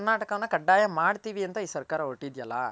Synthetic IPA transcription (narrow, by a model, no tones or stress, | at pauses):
nːaːʈɐkɐʋɐnːɐkɐɖːaːjɐmaːɽɯt̪ːiʋiɛnt̪ɐiːsɐɾkaːɾɐoʈːid̪ijɐlːa̰